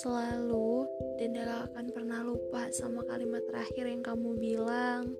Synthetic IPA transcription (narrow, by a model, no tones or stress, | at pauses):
səlaludandiakaakanpərnahlupasamaka̰limat̪ːəɾaxɪrjaŋkamubilaŋ